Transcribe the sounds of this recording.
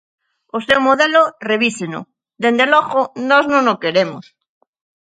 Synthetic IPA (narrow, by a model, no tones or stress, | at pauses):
osewmoðeloreβ̞iseno̰ | ðend̪eloɣonoznõnokeɾemos